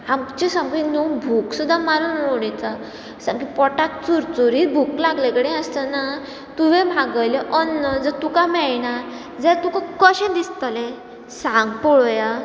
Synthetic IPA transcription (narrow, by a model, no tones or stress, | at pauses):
amt͡ɕisəmkĩnubʱuksud̪ʱːamaɾunoɽit͡sa | sãmkipɔʈak̚t͡suɾt͡suɾibʱuklaɡlekəɽɛ̃əst̪əna | t̪uʋẽbʱaɡəjleʔɔnːəd͡zət̪ukamɛɭna | d͡zɛt̪ukãkəɕɛ̃d̪ist̪əlɛ̃ | sãŋɡpɔɭɔja